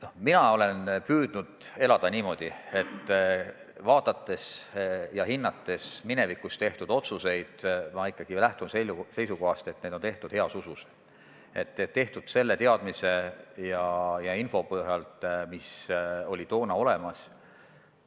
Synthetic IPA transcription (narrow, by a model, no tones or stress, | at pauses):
no̞hminɑo̞le̞npyːd̪̥nud̪̥e̞lɑd̪̥ɑnʲiːmo̞d̪̥ie̞t̪ˑː | vɑːt̪ɑt̪ːe̞sjɑhinːɑt̪ˑːe̞smine̞vikːˑust̪e̞ht̪ud̪o̞t̪suse̞jd̪̥mɑikːˑɑɡ̥ilæht̪unsese̞jsuko̞ɦɑst̪e̞t̪ne̞ːd̪o̞nt̪e̞ht̪ud̪̥heɑsusus | e̞̰t̪ːetːe̞ht̪ud̪̥se̞lːe̞t̪eɑd̪̥mise̞jɑjɑinfo̞pɤɦjɑlt̪miso̞lʲit̪o̞ːnɑo̞le̞mɑs